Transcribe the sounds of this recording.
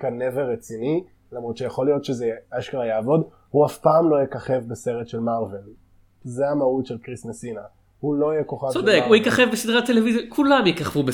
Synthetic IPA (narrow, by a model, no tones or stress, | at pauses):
kaneveʁet͡sini | lamʁot̪ʃejaχo̞lijo̞tʃezeaʃkʁajaːvo̞d | huafpaːmlo̞jekaχevbeseʁetʃe̞lmaʁve̞l | zeamautʃelkʁisnesina | hulo̞ijeko̞χavsod̪ekujikaχevbesid̪ʁat̪ːelevizjakʰulamjekaχvube